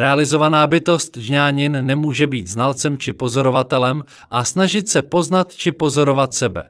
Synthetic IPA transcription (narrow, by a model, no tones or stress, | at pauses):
ɾɛalɪzo̞vanaːbɪt̪o̞st̪ʒɲaːɲɪnːɛmuːʒɛbiːt̪znalt͡sɛmt͡ʃɪpo̞zo̞ɾo̞vat̪ɛlɛm | ʔasnaʒɪt̪sɛpo̞znat̪t͡ʃɪpo̞zo̞ɾo̞vat̪sɛbɛ̰